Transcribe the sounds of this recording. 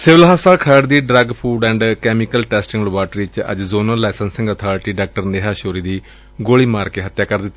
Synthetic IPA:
sɪʋəlɦaːsaːlkʰəɖd̪iːɖɾəɡpʰuːɖɛ̃ːɳɖkɛːmɪkəlʈɛːsʈɪ̃ŋɡləbaːʈɾiːt͡ʃə̰d͡ʒzoːnə̃ːlaːɪsənsɪ̃ŋɡət̪ʰaːɾɪʈiːɖaːk̚ʈəɾneɦaːʃoːɾiːd̪iː | ɡoːɭiːmaːɾkeːɦət̪jaːkəɾd̪ɪt̪ː

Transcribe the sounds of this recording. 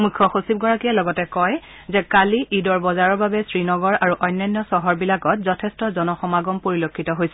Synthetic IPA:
mukʰːɔxosib̚ɡɔɹakijalɔɡɔtɛkɔj | zɛkaliʔidɔɹbɔzaɹɔɹbabɛsɹinɔɡɔɹaɹuʔɔjnːajnːɔsɔɦɔɹbilaɡɔtzɔtʰɛstɔzɔnɔxɔmaɡɔmpoɹilokʰːitɔɦojsɛ

